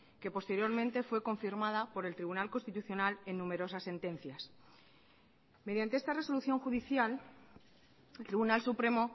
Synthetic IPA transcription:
ke̞po̞st̪e̞ɾjo̞ɾmẽnt̪e̞fwe̞ko̞ɱfiɾmaðapo̞ɾe̞lt̪ɾiβunalkonst̪it̪uθjo̞nale̞nːũme̞ɾo̞sasːe̞nt̪e̞n̟θjas | me̞ðjant̪eest̪are̞so̞luθjo̞ŋxuðiθjal | elt̪ɾiβunalsupɾe̞mo̞

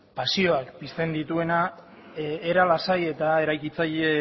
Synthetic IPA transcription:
pasio̞akbist̪e̞nd̪it̪ue̞na | eɾalasaje̞t̪ae̞ɾajkit͡saje

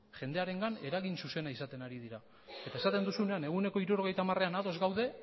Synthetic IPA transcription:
ʝe̞nd̪e̞aɾe̞ŋɡane̞ɾaɣinsuse̞naisat̪e̞naɾiðiɾa | e̞t̪aesat̪e̞nd̪usune̞ane̞ɣ̞une̞ko̞iɾuɾo̞ɣ̞e̞jt̪amare̞anaðo̞zɡawðe̞

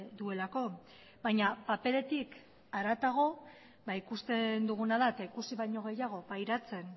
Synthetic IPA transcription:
d̪ue̞lako̞ | bajɲapape̞le̞t̪ik | aɾat̪aɣ̞o̞ | baikust̪e̞nd̪uɣ̞unaðaet̪aikusiβajɲo̞ɣe̞jaɣ̞o̞pajɾat͡se̞n

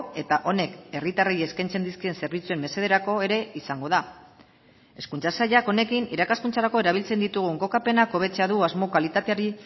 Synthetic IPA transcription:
e̞t̪aʔo̞ne̞ke̞rit̪arejeskajnt͡se̞nd̪iskie̞nse̞ɾβ̞it͡sue̞mːe̞se̞ð̞e̞ɾako̞e̞ɾe̞isaŋɡo̞ða | e̞skunt͡sasaʎako̞ne̞kiniɾakaskunt͡saɾako̞e̞ɾaβ̞ilt͡se̞nd̪it̪uɣ̞uŋɡo̞kape̞nako̞βe̞t͡se̞aðuazmo̞kalit̪at̪eaɾi

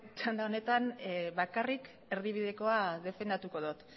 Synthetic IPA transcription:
t͡ʃand̪ao̞ne̞t̪anβakarik | e̞ɾðiβiðe̞ko̞aðe̞fe̞nd̪at̪uko̞ðot̪

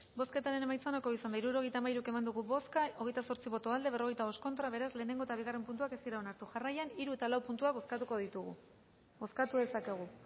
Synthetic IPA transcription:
bo̞ske̞t̪aɾe̞ne̞majt͡saonako̞isand̪aiɾuɾo̞ɣ̞e̞jt̪aemaiɾuke̞mand̪uɣ̞uβoskao̞ɣe̞jt̪aso̞ɾt͡siβo̞t̪o̞ald̪e̞βe̞ro̞ɣe̞jt̪aβo̞sko̞nt̪ɾaβe̞ɾazle̞ːne̞ŋɡo̞et̪aβ̞iɣ̞are̞mpunt̪uakest̪iɾao̞naɾt̪uʝarajaniɾue̞t̪alawpunt̪uaβoskat̪uko̞ðit̪uɣṵ | bo̞skat̪uðe̞sake̞ɣ̞u

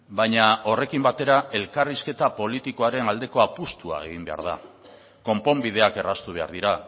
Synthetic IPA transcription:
bajɲao̞re̞kimbat̪e̞ɾae̞lkariske̞t̪apo̞lit̪ikoaɾe̞nald̪e̞ko̞apust̪ua̰e̞̰ɣ̞imbe̞a̰ɾð̞a̰ | ko̞mpo̞mbið̞e̞ake̞rast̪uβ̞e̞a̰ɾðiɾa

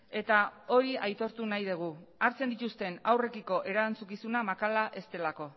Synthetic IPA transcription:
e̞t̪ao̞ɾiajt̪o̞ɾt̪unajð̞eɣ̞uaɾt͡send̪it̪ust̪e̞nawre̞kiko̞ʔe̞ɾant͡sukisunamakalaʔe̞st̪e̞lako̞

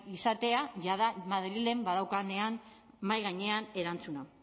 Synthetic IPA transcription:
isat̪e̞aʝaðamaðɾile̞mbaðawkane̞an | majɣaɲe̞ane̞ɾant͡suna

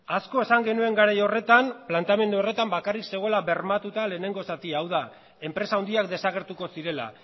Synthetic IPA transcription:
asko̞e̞saŋɡe̞nue̞ŋɡaɾajo̞re̞t̪amplant̪ame̞nd̪uo̞re̞t̪ambakarikse̞ɣ̞o̞elaβe̞ɾmat̪ut̪ale̞ːne̞ŋɡo̞sat̪iaːwða | e̞mpɾe̞saund̪iak̚d̪e̞saɣe̞ɾt̪uko̞siɾe̞la̰

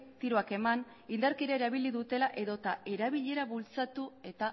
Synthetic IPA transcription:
t̪iɾo̞ake̞man | ind̪aɾkiɾaeɾaβ̞iliðut̪e̞laʔe̞ðo̞t̪ae̞ɾaβ̞iʎe̞ɾaβult͡sat̪ue̞t̪a

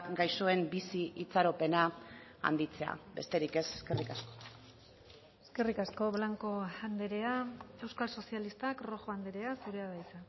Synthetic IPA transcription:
ɡajsoe̞mbisiit͡saɾo̞pe̞naa̰nd̪it͡se̞a̰be̞̰st̪e̞ɾike̞se̥ske̞rikasko | eske̞rikasko̞βlaŋko̞and̪eɾe̞ae̞wskalso̞sialist̪akro̞xo̞and̪eɾe̞asuɾeaðajt͡sa

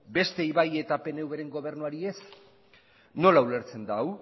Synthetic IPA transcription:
be̞st̪e̞iβaje̞t̪ape̞neuβeɾe̞ŋɡo̞β̞e̞ɾnuaɾie̞s | no̞laule̞ɾt͡se̞nd̪aw

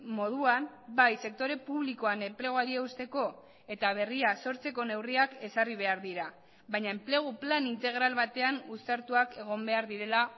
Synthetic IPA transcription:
mo̞ð̞uambajse̞k̚t̪o̞ɾe̞puβ̞liko̞ane̞mple̞ɣ̞oaɾieust̪e̞ko̞ | e̞t̪aβ̞e̞riaso̞ɾt͡se̞ko̞ne̞wriake̞sariβ̞e̞aɾðiɾa | βajɲae̞mple̞ɣ̞uplanint̪e̞ɣ̞ɾalβat̪e̞anust̪aɾt̪uake̞ɣ̞o̞mbe̞aɾðiɾe̞la

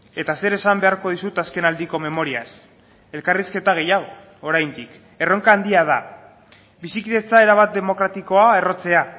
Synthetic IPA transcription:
e̞t̪ase̞ɾe̞sambe̞aɾko̞ð̞isut̪aske̞nald̪iko̞me̞mo̞ɾias | e̞lkariske̞t̪aɣ̞e̞jaɣ̞o̞ | oɾajnd̪ik | e̞ro̞ŋkaːnd̪iað̞a | bisikiðe̞t͡sae̞ɾaβ̞at̪̚d̪e̞mo̞kɾat̪iko̞ae̞ro̞t͡se̞a

